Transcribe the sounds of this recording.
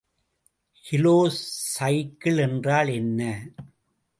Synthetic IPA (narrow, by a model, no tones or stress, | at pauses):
hɪloːsɐɪkːɪɭɛndraːɭɛnːɐ